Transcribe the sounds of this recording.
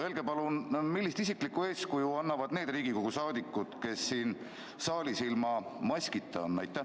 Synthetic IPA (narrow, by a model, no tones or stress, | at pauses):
elɡe̞pɑlunmilːist̪isiklikːue̞ːskujuɑnːɑvɑd̪̥ne̞ːd̪riːɡ̥ikoɡ̥usɑːd̪ikˑːut̪ke̞sːiːn | sɑːlisilmɑmɑsʲkit̪ʰːˑɑonːɑ̰jt̪ːˑæ